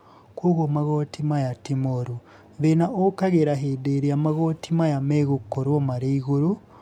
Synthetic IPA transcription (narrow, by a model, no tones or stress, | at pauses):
kuɣomaɣotimajatimoɾu | βenaʔokaɣeɾaɦedeɾiamaɣotʰimajameɣukːoɾwomaɾiiɣuɾu